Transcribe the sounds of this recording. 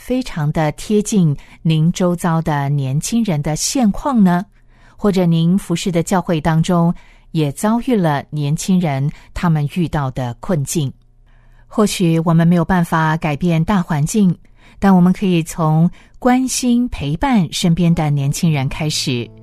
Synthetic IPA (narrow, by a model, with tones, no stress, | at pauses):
fe˥ɪʈ͡ʂʰɑ˧˥ŋd̪ə˧t̪ʰjɛ˥t͡ɕi˥˩nni˧˥ŋʈ͡ʂo˥ʊt͡sɑ˥ʊd̪ə˨njɛ˧˥nt͡ɕʰi˥ŋɻə˧˥nd̪ə˧ɕjɛ˥˧nkʰwɑ˥˩ŋnə˩ | xwɔ˥˩ʈ͡ʂɤ˨˩ni˧˥nfu˧˥ʂɻ̩˥˩d̪ə˩t͡ɕjɑ˥˧ʊxwe˥˩ɪt̪ɑ˥ŋʈ͡ʂʊ˥ŋ | jɛ˨˩t͡sɑ˥ʊy˥˩lə˩njɛ˧˥nt͡ɕʰi˥ŋɻə˧˥nt̪ʰa˥mə˨ny˥˧t̪ɑ˥˩ʊd̪ə˩kʰwə˥˧nt͡ɕi˥˩n | xwɔ˥˩ɕy˨˩wɔ˨˩mə˦nme˧˥ɪjʊpa˥˩nfa˨˩ka˨˩ɪpjɛ˥˧nt̪a˥˩xwa˧˥nt͡ɕi˥˩ŋ | t̪a˥˩nwɔ˨˩mə˦nkʰɤ˧˥i˨˩t͡sʰʊ˧˥ŋkwa˥nɕi˥npʰe˧˥ɪpa˥˩nʂə˥npjɛ˥nd̪ə˨njɛ˧˥nt͡ɕʰi˥ŋɻə˧˥nkʰa˥ɪʂɻ̩˨˦